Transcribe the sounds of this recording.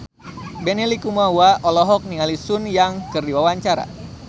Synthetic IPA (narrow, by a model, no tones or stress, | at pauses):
bɛnilikumawaʔɔlɔɦɔk̚niŋalisunjaŋkɨrdiwawaɲt͡ʃaɾa̰